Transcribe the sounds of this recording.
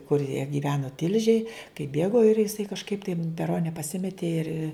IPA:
kʊr jiɛ ɡʲiːˈʋʲæːnʊ ˈtʲɪlʲʒʲeːj kɐɪp ˈbʲeːɡoː ɪr jɪˈsɐɪ kɐʃˈkɐɪp tɐɪ m pʲɛˈroːnʲɛ pɐˈsʲɪmʲɛtʲeː ɪr

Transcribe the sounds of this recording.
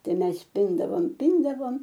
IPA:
ˈtɐɪ ˈmʲɛs ˈpʲɪndɐʋoːm ˈpʲɪndɐʋoːm

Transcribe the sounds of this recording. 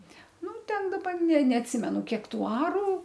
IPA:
ˈnʊ ˈtʲɛn dɐˈbɐ nʲɛ nʲɛɐtʲˈsʲɪmʲɛnʊ ˈkʲiɛk ˈtuː ˈɑːruː

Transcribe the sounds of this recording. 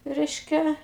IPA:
ˈrʲɛɪʃʲkʲɛ

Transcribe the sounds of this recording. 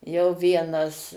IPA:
jɛʊ ˈʋʲiɛnɐs

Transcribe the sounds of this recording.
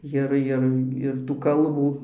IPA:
ˈjɪr ˈjɪr ɪr tuː ˈkɐlˠbuː

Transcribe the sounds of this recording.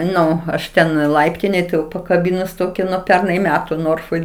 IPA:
ˈnʊ ɐʃ ˈtʲɛn ˈlˠɐɪpʲtʲɪnʲeːj tɐɪ jɛʊ pɐkɐˈbʲɪnʊs ˈtoːkʲɪ nuɔ ˈpʲɛrnɐɪ ˈmʲæːtʊ ˈnoːrfoːj

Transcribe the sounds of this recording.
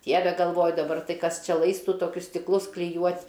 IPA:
ˈdʲiɛʋʲɛ ɡɐlˠˈʋoːjʊ dɐˈbɐr ˈtɐɪ ˈkɐs ˈt͡ʃʲɛ ˈlˠɐɪstʊ toːˈkʲʊs sʲtʲɪkˈlˠʊs klʲɪˈjuɔtʲ

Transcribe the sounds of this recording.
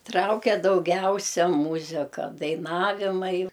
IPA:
ˈtrɐʊkʲɛ dɐʊˈɡʲɛʊsʲɛ ˈmuːzʲɪkɐ dɐɪˈnɑːʋʲɪmɐɪ

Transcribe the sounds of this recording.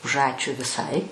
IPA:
ʊʃ ˈɑːt͡ʃʲʊ ʋʲɪˈsɐɪ

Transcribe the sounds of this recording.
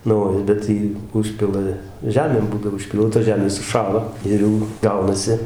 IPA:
nʊ ˈoː ˈbʲɛt jiː ˈʊʃʲpʲɪlˠɐ ˈʒʲæːmʲeːm ˈbuːdɐʋoː ʊʃʲˈpʲiːlˠtɐ ˈʒʲæːmʲeːs sʊˈʃɑːlˠɐ ˈɪr jɛʊ ˈɡɐʊnɐsʲɪ

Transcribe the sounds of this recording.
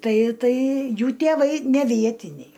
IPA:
ˈtɐɪ ˈtɐɪ ˈjuː tʲeːˈʋɐɪ nʲɛ ˈʋʲiɛtʲɪnʲɛɪ

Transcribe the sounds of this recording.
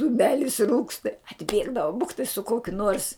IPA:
dʊˈmʲæːlʲɪs ˈruːkstɐ ɐdʲˈbʲeːɡdɐʋʊ ˈbʊktɐɪ sʊ ˈkoːkʲʊ nuɔrs

